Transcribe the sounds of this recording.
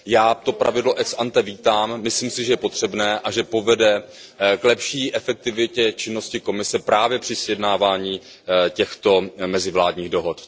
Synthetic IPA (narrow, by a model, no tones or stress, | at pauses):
jaːt̪o̞pɾa̰vɪdlo̞ʔɛksʔant̪ɛviːt̪aːmːɪsliːmsɪʒɛjɛpo̞t̪r̝̥ɛbnɛːʔaʒɛpo̞vɛdɛ | klɛpʃiːʔɛfɛk̚t̪ɪvɪcɛt͡ʃɪnːo̞scɪko̞mɪsɛpɾaːvjɛpr̥ɪsjɛdnaːvaːɲiː | cɛxt̪o̞mɛzɪvlaːdɲiːɣdo̞ɦot̪